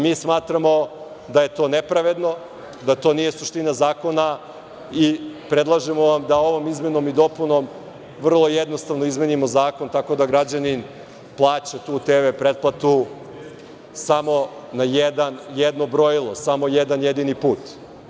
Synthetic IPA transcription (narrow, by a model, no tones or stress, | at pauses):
miːsmaːt̪ɾamo̞ | d̪aje̞t̪onepɾaʋe̞d̪no̞ | d̪at̪o̞ːnije̞suʃt̪inazaːko̞na | ipɾed̪lˠaʒemo̞ʋamd̪ao̞ʋo̞mizme̞no̞mid̪o̞puno̞m | ʋr̩lˠo̞jed̪nost̪aʋnoizmenimo̞zaːko̞nt̪ako̞d̪aɡɾad͡ʑanin | plˠaːt͡ɕat̪uːt̪ebepɾe̞t̪̚plˠat̪u | samo̞ | najed̪anjed̪nobɾo̞jilˠo̞samo̞jed̪anjed̪inipuːt̪